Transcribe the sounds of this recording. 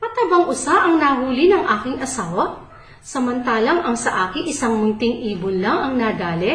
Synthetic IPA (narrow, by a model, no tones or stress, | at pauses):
pɐt̪ɐbɐŋʔʊsaʔɐŋnaːɦuːlinɐŋʔaːkɪŋʔɐsaːwɐ | sɐmɐnt̪aːlɐŋʔɐŋsɐʔaːkɪŋʔɪsɐŋmʊnt̪ɪŋʔiːbʊnlɐŋɐŋnaːd̪aːlɛ